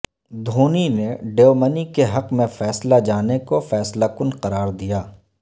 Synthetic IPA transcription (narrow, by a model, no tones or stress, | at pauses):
d̪ʱoːnineɖeːmənikeɦɐqmẽfɛːslad͡ʒaːnekofɛːslakʊnqɐɾaːɾd̪ijaː